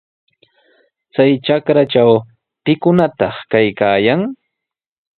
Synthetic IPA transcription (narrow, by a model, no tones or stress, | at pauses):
t͡sajt͡ʃakɾat͡ʃaw | pɪkʊnat̪ɑχkajkaːjaŋ